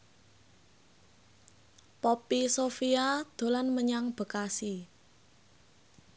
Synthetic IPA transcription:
pɔpisofiad̪̥o̤lanməɲaŋb̥ə̤kasi

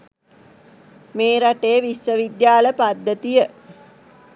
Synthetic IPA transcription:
meːɾaʈejəʋisʋəʋid̪jaːləpad̪ːət̪ijə

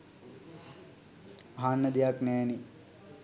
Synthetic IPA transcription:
aɦanːəd̪ijaknɛːni

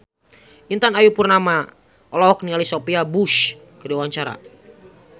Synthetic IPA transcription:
ʔint̪anajupurnama | ʔɔlɔɦɔk̚nialisopiabuʃ | kədiwaɲt͡ʃaɾa̰

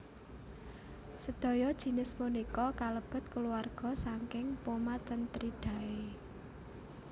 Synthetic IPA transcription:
səd̪̥ɔ̤jɔd̥ʒ̥i̤nɪsmunikɔkaləb̥ə̤t̪̚kəluarɡ̥ɔ̤saŋkɪŋpomat͡ʃənt̪ɾiɖ̥ä̤e

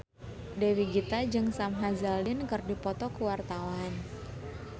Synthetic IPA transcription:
dewiɡit̪ad͡ʒɨŋsamɦazalɪnkɨrdipɔt̪ɔkuwart̪awan

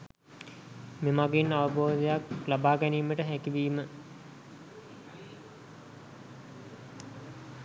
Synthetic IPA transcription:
memaɡeinaʋəbʱoːd̪ejaklabaːɡæniːməʈəɦækiʋiːmə

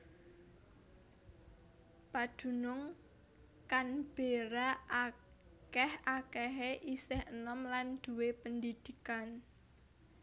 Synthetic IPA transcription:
pad̪̥ṳnʊŋ | kanb̥eɾa | kɛhakɛɦeʔisɪhənɔmland̪̥ṳwepənd̪id̪̥ikan

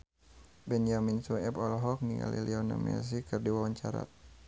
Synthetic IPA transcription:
bɛnd͡ʒaminsuɛpɔlɦɔk̚niɡa̰lḭliɔna̰mɛ̰s̬ikɨrdiwawaɲt͡ʃaɾa̰

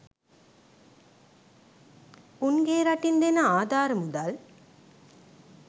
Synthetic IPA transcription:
unɡeːɾɐʈːind̪enɐaːd̪aːɾmud̪al

